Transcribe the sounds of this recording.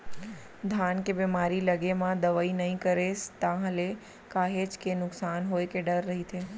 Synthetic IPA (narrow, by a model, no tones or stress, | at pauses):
d̪ʱankebɛmaɾiləɡemãd̪əʋainəɦĩkəɾest̪ãɦəle | kaɦet͡ʃkenʊksanɦojkeɖəɾːəɦit̪ʰe